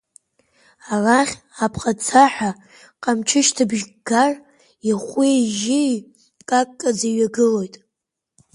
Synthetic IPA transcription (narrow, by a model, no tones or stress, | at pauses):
araχʲ | apʰqʼat͡sʰaħa | qʼamt͡ʃʰɪʃtʰabʒɡar | iχʷiʒɪ | kʼakʼːad͡ziɥaɡɨlo̞jtʼ